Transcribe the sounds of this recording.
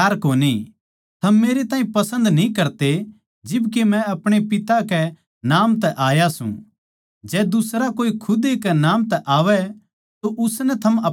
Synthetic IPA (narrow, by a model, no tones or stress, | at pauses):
aːɾkoːni | t̪ʰɐmːeːɾet̪ãːĩpɐsə̃nd̪nĩkɐɾt̪e | d͡ʒɪbkemɛ̃ɐpɽ̃epɪt̪akɛ | naːmt̪ɛʔaːjasṵ̃ | d͡ʒɛːd̪ʊsɾakoːikʰʊd̪ekɛnaːmt̪ɛʔaːʋɛ | t̪oʔʊsnɛt̪ʰɐmɐ